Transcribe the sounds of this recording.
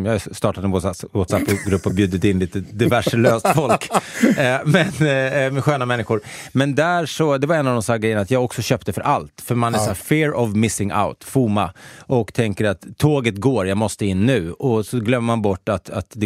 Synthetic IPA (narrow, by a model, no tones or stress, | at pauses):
jɑst̪ɑːʈad̪ɛnwwɔt̪sapːɔɡɾɵpːɔbjʉːd̪ɪt̪ɪnliːt̪əd̪ɪvæʂəløːst̪fɔlk | mɛnmɛɧøːnamɛnːɪɧʊɾmɛnd̪æːɾʂɔd̪ɛvaɾɛnːavd̪ɔmsæːɡɾɛjːəɳnat̪jɑːɡɔksɔɕøːpt̪əfœɾʔalt̪fœɾmanæʂæːɾfɪːɾɔvmɪsɪŋa̰ʊt̪fuːmaʔɔkt̪ʰɛŋkəɾat̪ʰːoːɡət̪ɡoːɾjɑɡmɔst̪əɪnːʉ̟ːɔsɔɡlœmːəmanbɔʈːat̪a̰t̪d̪ɛ